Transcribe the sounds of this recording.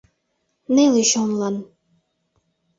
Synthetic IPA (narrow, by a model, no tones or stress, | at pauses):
neleʃonlɑn